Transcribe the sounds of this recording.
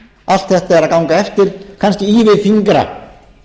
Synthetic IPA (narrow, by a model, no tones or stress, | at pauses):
al̥t̪θɛht̪aɛɾaðkawŋkaɛft̪ɪɾ̥kʰanscɪiːvɪðfiŋkɾa̰